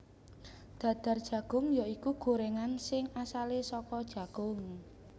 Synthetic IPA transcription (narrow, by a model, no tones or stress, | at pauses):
d̪̥ä̤d̪̥ä̤rd̥ʒ̥ä̤ɡ̥ʊ̤ŋjɔikuɡ̥o̤ɾeŋansɪŋasalesɔkɔd̥ʒ̥ä̤ɡ̥ʊŋ